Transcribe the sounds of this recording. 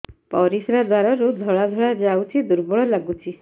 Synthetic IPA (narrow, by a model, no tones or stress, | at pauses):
pɔɾisɾad̪waɾɔɾud̪ʱɔɭad̪ʱɔɭad͡ʒawt͡ʃʰid̪uɾbɔɭɔlaɡut͡ʃʰi